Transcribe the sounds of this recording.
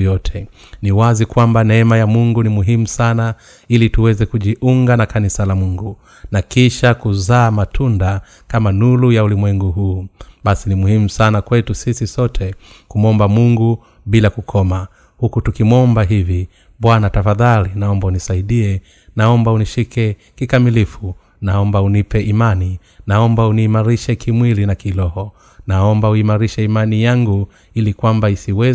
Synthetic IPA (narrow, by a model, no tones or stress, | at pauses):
jɔtʰɛ | niwazikwambanɛɛmajamuŋɡunimuɦimusana | ilituwɛzɛkuʄiʔuŋɡanakanisalamuŋɡu | nakiʃakuzaːmatʰunda | kamanulujaulimwɛŋɡuɦuːɓasinimuhimusanakwɛtusisisɔtʰɛkumɔmbamuŋɡu | ɓilakukʰɔma | hukutukimwɔmbaɦivi | ɓwanatafaðalinaɔmbaunisaiɗiɛ | naɔmbauniʃikɛ | kikamilifu | naɔmbaunipɛʔimani | naɔmbauniːmaɾiʃɛkimwilinakilɔhɔ | naɔmbauimaɾiʃɛimanijaŋɡu | ilikwambaisiwɛ